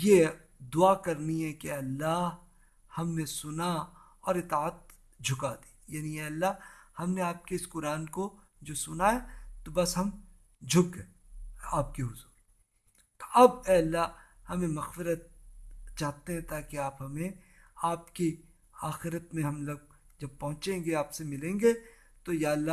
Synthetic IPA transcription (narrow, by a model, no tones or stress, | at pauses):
je | d̪ʊaːkɐɾniɦɛ̃keɛːɐlːaɦ | hɐmnesʊnaɔːɾɪt̪aːət̪̚ | d͡ʒʱʊkad̪i̥ːjaːniɛːɐlːahɐmneaːp̚keɪskʊɾaːnko | d͡ʒoːsʊnaɦɛt̪obɐsɦɐm | d͡ʒʱʊkɦɛːaːp̚keɦʊzuːɾ | t̪o̥ɐbɛːɐlːahɐmẽmɐxfɪɾət̪̚t͡ʃaːt̪eɦɛ̃t̪aːkeaːpɦɐmẽaːpki | aːxɪɾət̪mẽɦɐmlɐɡ̚ | d͡ʒɐb̚pɐɦʊ̃t͡ʃẽːŋɡeaːpsemɪlẽːŋɡe | t̪ojaːlːa